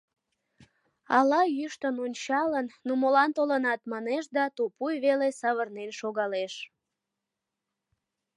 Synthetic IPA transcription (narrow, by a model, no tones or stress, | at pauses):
ɑlɑjyʃt̪ənonʲt͡ɕɑlənːumolɑnt̪olənɑt̪mɑneʃd̪ɑt̪upujβelesɑβərnenʃoɣɑleʃ